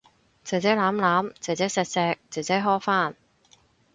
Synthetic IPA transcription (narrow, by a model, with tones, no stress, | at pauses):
t͡sɛ˨˩t͡sɛː˨˥laː˨˥mlaː˨˥mt͡sɛː˨˩wt͡sɛː˨˥sɛː˧t̚sɛː˧k̚t͡sɛ˨˩t͡sɛː˨˥ɦɔː˥faː˥˩n